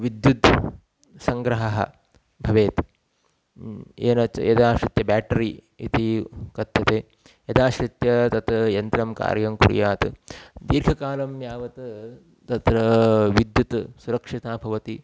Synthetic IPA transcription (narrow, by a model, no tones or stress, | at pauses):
ʋid̪jud̪ʱ | sɐŋɡɾɐɦɐɦɐ̰ | bʱɐʋeːt̪ | eːnɐt͡ʃɐ̰jɐd̪aːʃɾit̪jɐbaːʈɐɾiː | it̪ikɐt̪jɐt̪eː | jɐd̪aːʃɾit̪jɐt̪ɐt̪ɐjɐnt̪ɾɐmka̰ːɾjɐmkṵɾ̰jaːt̪d̪iːɾɡʰʱɐkaːlɐmjaːʋɐt̪ | t̪ɐt̪ɾɐʋid̪jut̪suɾɐkʂit̪aːbʱɐʋɐt̪i